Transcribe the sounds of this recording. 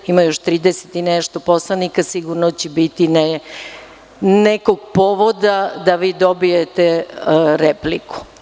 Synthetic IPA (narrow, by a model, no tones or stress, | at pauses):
imajoʃt̪ɾiːd̪ese̥t̪inɛʃt̪oposlˠanikasiɡuɾnot͡ɕɛbit̪in | nekoɡpoʋod̪ad̪aʋiːd̪obijet̪eɾepliku̥